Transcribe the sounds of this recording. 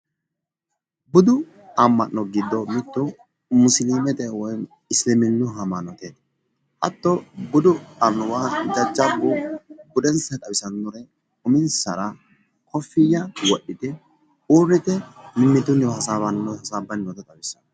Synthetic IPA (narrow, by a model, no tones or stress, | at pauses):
bʊd̪ʊ | ɐmːɐnːɔɡɪd̪ːɔmɪt̪ːʊ | mʊsliːmɛt̪ʼɛwɔjn | ɪslɪmɪnːʊɦɐmanɔt̪eːd̪ | hɐ̰t̪ːɔbʊd̪ʊɐnʊwad͡ʒɐd͡ʒːɐbːʊbʊd̪ɛnsɐt̪ʼɐbɪsɐnːʊɾɛ | ʊmɪnsɐ̰ɾɐ | kʰɔfːɪjɐwɔɗːɪt̪ɪ | uːrːɪt̪ɛmɪmːɪt̪ʊnhɐsaːβɐnːɔhɐsaːbːɐnːɔt̪ɐt̪ʼɐbɪsːɐn